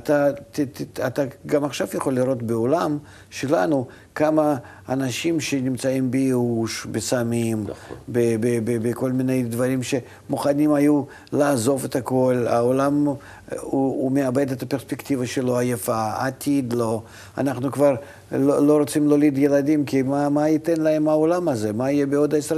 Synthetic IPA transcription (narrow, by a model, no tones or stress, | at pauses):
at̪at̪t̪at̪aɡamaχʃavjɐχo̞lʲːiɾo̞t̪beolam | ʃelanu | kamɐː | naʃimʃenʲɪmt͡saimbejeuʃbesamʲimbebebebeko̞lʲmʲɪnejd̪vaɾʲimʃe | muχanʲimaju | laːzo̞fet̪ako̞lʲa̰olam | uumeabed̪et̪ɐpʲeɾspʲekt̪ʲivɐʃelo̞ajafaa̰t̪ʲʰid̪lo̞ | a̰naχnukvar | lolo̞ɾot̪simlolʲid̪jelad̪ʲimkʲimamait̪ɛnlɐemaolamɐzemaijebeod̪es